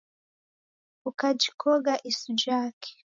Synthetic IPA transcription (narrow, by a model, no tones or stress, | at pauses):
ukad͡ʒikʰɔɡaʔisud͡ʒaːkʰe̥